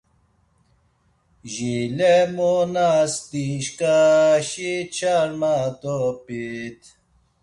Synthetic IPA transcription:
ʑilemonast̪iɕkaɕit͡ɕʰaɾmat̪opit̪

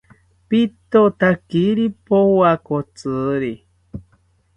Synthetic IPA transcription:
pit̪ot̪akiɾipowakot͡sɨɾi

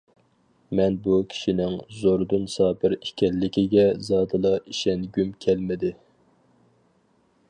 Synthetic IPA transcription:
mɛnbukʲʰi̥ʃinɪŋzoɾd̪unsɑːpʰɪɾikʲɛlːɪkʲiɡʲɛzɑːd̪ɨlˠɑiʃɛnɡʲymkʲʰɛlmɪd̪ɪ

